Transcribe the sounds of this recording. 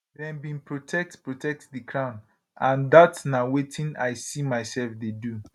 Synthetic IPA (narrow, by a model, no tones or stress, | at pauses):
dɛ̃nbĩnpʰɹotʰɛk̚tpɹotʰɛk̚tdikʰɹãʊ̃n | ãndatnawetʰĩnajsimaɪsɛlfdedu